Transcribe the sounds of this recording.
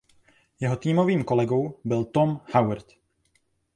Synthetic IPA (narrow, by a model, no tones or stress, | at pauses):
jɛɦo̞t̪iːmo̞viːmko̞lɛɡo̞wbɪlt̪omhawɾt̪